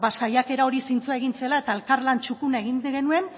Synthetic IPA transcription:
βasajake̞ɾao̞ɾisint͡suae̞ɣint͡se̞lae̞t̪ae̞lkarlant͡ʃukunae̞ɣinɣe̞nue̞n

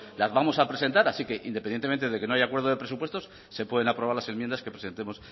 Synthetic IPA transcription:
lazβamo̞sapɾe̞se̞nt̪aɾasike̞ʔḭnd̪epenjet̪eent̪eðe̞keno̞ajakwe̞ɾð̞oðe̞pɾe̞supwe̞st̪osːe̞pwe̞ðe̞napɾoβaɾlase̞nmjend̪aske̞pɾese̞nt̪emo̞s

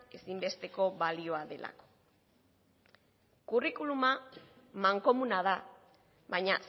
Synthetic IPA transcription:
e̞simbe̞st̪e̞ko̞βalio̞aðe̞lʔa̰ko̥ | kurikuluma | maŋko̞munað̞a | βajɲas

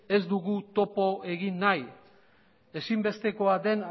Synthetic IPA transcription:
e̞zd̪uɣut̪o̞po̞e̞ɣinːaj | e̞simbe̞st̪e̞ko̞ad̪e̞n

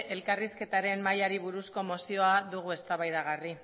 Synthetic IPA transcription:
e̞lkariske̞t̪aɾe̞mmajaɾiβuɾusko̞mo̞sio̞aðuɣue̞st̪aβajðaɣ̞ari

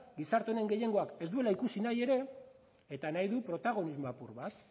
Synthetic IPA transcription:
ɡisaɾt̪ene̞ŋɡe̞je̞ŋɡo̞ake̞sd̪ue̞laikusinaje̞ɾe̞ː | t̪anajðupɾo̞t̪aɣ̞o̞nizmoapuɾβat̪

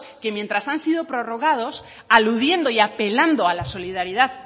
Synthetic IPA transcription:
ke̞mjent̪ɾasansið̞o̞pɾo̞ro̞ɣ̞að̞o̞s | aluðje̞nd̪o̞iape̞land̪oalaso̞liðaɾiðað

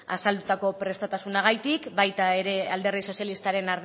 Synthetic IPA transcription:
a̰sald̪ut̪ako̞pɾe̞st̪ot̪asunaɣ̞ajt̪ikbajt̪ae̞ɾe̞ald̪e̞riso̞sjalist̪aɾe̞naɾð

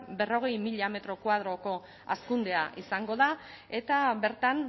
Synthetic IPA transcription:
be̞ro̞ɣ̞e̞jmiʎame̞t̪ɾo̞kwað̞ɾo̞ko̞ | a̰skund̪e̞aʔisaŋɡo̞ða | e̞t̪abe̞ɾt̪an

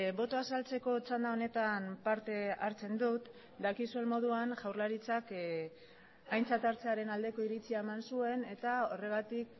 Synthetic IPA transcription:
bo̞t̪o̞asalt͡se̞ko̞t͡sand̪ao̞ne̞t̪ampaɾt̪e̞aɾt͡se̞nd̪ut̪ | d̪akisue̞nmo̞ð̞uanʝawɾlaɾit͡sak | ajnt͡sat̪aɾt͡se̞aɾe̞nald̪e̞ko̞iɾit͡siae̞mansue̞ne̞t̪ao̞re̞ɣ̞at̪ik̚

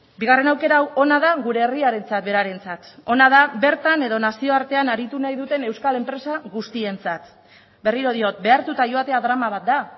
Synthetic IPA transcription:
biɣ̞are̞nawke̞ɾaːwo̞nað̞aɣuɾe̞ːriaɾe̞nt͡sat̪̚be̞ɾaɾe̞nt͡sat̪o̞nað̞aβe̞ɾt̪ane̞ðo̞nasio̞aɾt̪e̞anaɾit̪unajðut̪e̞ne̞wskale̞mpɾe̞saɣust̪ie̞nt͡sat̪ | be̞riɾo̞ð̞io̞t̪̚be̞aɾt̪ut̪aʝo̞at̪e̞aðɾamaβ̞at̪̚d̪a

